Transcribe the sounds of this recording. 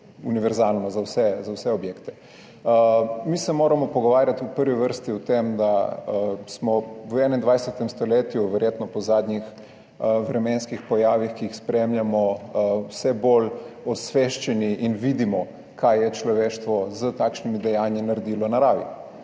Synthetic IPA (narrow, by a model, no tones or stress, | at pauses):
uniʋɛɾzalnɔzawsɛzawsɛɔbjeːkt̪ɛ̥ | misɛmoːɾamɔpɔɡɔʋaːɾjat̪upəɾʋiʋəɾst̪iwt̪emd̪a | smɔəɛːnɛnd̪ʋajsɛt̪ɛmst̪ɔleːt̪juʋɛɾjet̪nɔpɔzaːd̪nix | ʋɾɛmɛnskixpɔjaːʋixkiixspɾemljamɔwsɛbolɔsʋeʃt͡ʃɛniʔinʋid̪imɔ | kʰajjɛt͡ʃlɔʋeːʃt̪ʋɔzət̪aːkʃnimid̪ɛjanjinaɾɛd̪iːlɔnaɾaːʋḭ